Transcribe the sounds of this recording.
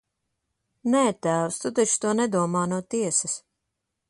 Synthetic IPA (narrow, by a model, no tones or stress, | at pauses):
nɛːt̪æːwst̪ut̪̬at͡ʃt̪uɔnɛd̪uɔmaːnuɔt̪iɛsɐs